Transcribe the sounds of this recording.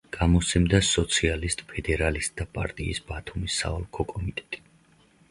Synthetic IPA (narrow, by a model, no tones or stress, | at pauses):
ɡ̥amɔsʰɛmd̪asɔt̪sʰialist̪ʼpʰɛd̪ɛɾalist̪̚ʼd̪apʼa̰ɾt̪ʼḭːsbat̪ʰumisːa̰ɔlˠkʰɔkʼɔmit̪ʼɛ̥t̪ʼi̥